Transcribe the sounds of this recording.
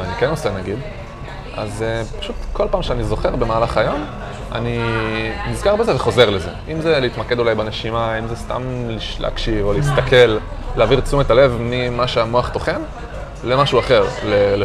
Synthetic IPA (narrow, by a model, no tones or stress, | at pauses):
anikeno̞senaɡid̪ | azepḁʃut̪ko̞lpaːmʃeanizo̞χe̞ʁbe̞maːlaχajo̞m | a̰ninizkaʁbe̞zeveχo̞zeʁleze̞̰imze̞liit̪make̞d̪ulajbaneʃimaimzest̪a̰mliʃlḛːkʃivoleist̪akʰe̞l | leaːviʁt͡sumet̪ale̞vmimaʃeamoaχt̪o̞χen | lemaʃuaχe̞ʁlel